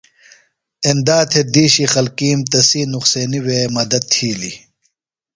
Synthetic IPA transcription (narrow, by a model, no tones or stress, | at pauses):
end̪aːt̪ʰed̪iːɕixɐlkiːmt̪ɐsiːnuχseːniweːmɐd̪ɐd̪̚t̪ʰiːli